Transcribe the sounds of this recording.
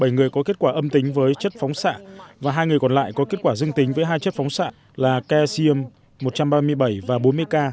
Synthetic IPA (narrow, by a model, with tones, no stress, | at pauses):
ɓə˧˩jŋɨ˨˩əjkɔ˨˦ke˦˥ət̚kwaː˧˩ʔə˧mt̪ï˨˦ŋ̟vəː˨˦jt͡ɕə˦˥t̚fɔ˨˦wŋ͡msa̰ː˧˨vaː˨˩ɦaː˧jŋɨ˨˩əjkɔ˨˩nla̰ː˧˨jkɔ˨˦k̬e˦˥t̚kwaː˧˩zɨ˧əŋt̪i˨˦ŋ̟vəː˨˦jɦaː˧jt͡ɕə˦˥t̚fɔ˨˦wŋ͡msa̰ː˧˨ | laː˨˩kɛ˧si˧ə˧mː | o˨˩t̚t͡ɕa˧mɓaː˧mɨ˧əjɓə˧˩jvaː˨˩ɓo˨˦nmɨ˧əjkaː˧